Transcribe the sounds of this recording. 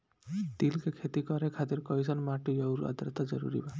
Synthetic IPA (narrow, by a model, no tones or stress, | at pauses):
t̪ilkekʰet̪ikɔɾekʰat̪iɾkɔjzɔnmaʈijɔwɾa̰d̪ɾt̪ad͡ʒɔɾṵɾḭba